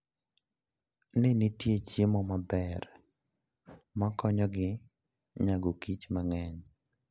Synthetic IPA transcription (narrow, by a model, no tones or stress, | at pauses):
nɪnitjet͡ʃɪmɔmabɛr | makɔɲɔɡɪ | ɲaɡokit͡ʃmaŋɛɲ